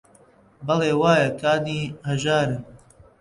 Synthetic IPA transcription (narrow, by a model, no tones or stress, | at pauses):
bɐleːwaːjɐkʰaːniːhɐʒaːɾɨ